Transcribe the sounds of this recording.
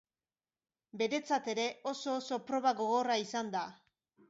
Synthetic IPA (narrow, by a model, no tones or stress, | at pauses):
be̞ɾe̞t͡sat̪e̞ɾe̞o̞so̞ːso̞pɾo̞βaɣo̞ɣo̞raisand̪a